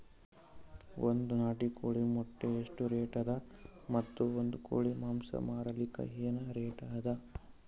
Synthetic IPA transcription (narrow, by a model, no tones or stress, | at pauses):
ond̪unaːʈikoːɭimɔʈːeeʂʈuɾeːʈɐd̪ɐmɐt̪ːuond̪uko̰ːɭimaːmsɐ̰maːɾɐlikːɐ̰ɦeːnɐɾeːʈaːd̪ɐ